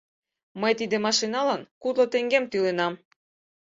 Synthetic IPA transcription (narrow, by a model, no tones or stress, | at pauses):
məjt̪id̪emɑʃinɑlɑnkut̪lot̪eŋɡemt̪ylenɑm